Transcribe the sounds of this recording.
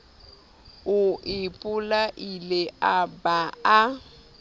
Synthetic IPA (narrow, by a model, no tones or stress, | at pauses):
ʊʔɪpʼʊlaʔileabaa